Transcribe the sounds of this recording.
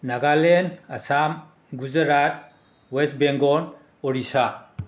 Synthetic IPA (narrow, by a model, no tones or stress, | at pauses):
naɡalenasam | ɡuzəɾat̚ | wesbeŋɡɔn | ɔɾisa